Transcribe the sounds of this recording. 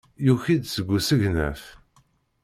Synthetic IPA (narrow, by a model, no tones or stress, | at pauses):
juçid̪səɡʷːusəʝnæ̰θ